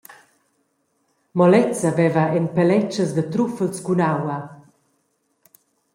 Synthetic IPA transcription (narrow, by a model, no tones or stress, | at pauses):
mɔlɛt͡savɛvaɛnpɛlɛt͡ʃəzd̪ət̪ɾufəlskunawɐ